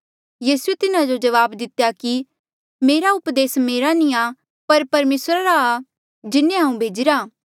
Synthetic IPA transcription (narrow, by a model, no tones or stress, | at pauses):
jiːsuet̪ɪnãd͡ʒod͡ʒɐʋaːbd̪ɪt̪jaki | meːɾaʊpd̪eːsmeːɾanĩa | pɐɾpɐɾmeːsɾaɾaː | d͡ʒɪnːẽɦãːũbʱeːd͡ʒɪɾaː